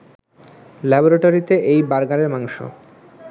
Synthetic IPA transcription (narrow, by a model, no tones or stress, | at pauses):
lɛboɾaʈoɾit̪eʔejbaɾɡaɾeɾmaŋʃo̰